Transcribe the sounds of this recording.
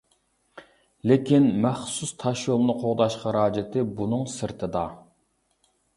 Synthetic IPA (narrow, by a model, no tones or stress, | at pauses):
lɪkʲinmæχsust̪ʰɑʃjolˠnɨqʰoʁd̪ɑʃχɑɾɑːd͡ʒɪt̪ʰɪbunɨŋsɨɾt̪ʰɨd̪ɑ